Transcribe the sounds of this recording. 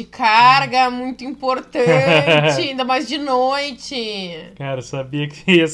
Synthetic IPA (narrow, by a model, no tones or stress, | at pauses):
ɪkʰaɾɡɐɛmũj̃t̪ʊĩpoɾt̪ɐ̃t͡ʃɪaĩnd̪ɐmajzd͡ʒɪnojt͡ʃɪkaɾɐesabiɐkɪes